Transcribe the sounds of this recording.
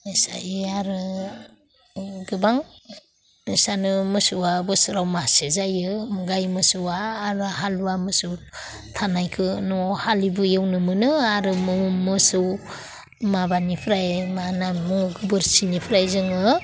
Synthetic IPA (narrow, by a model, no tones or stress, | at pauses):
isa̰jɯaɾɯ | ɡɯbaŋ | isanɯmɯsuwabɯsɯɾawmasezajɯmuɡajmɯsuwaːɾɯɦaluwamɯsuw | tʰanajkʰɯnɔhalibɯjewnɯmɯnɯaɾɯmɯmːɯsɯw | mabanipʰɾajmanamɯŋɯɡɯbɯɾsinipʰɾajzɯŋɯ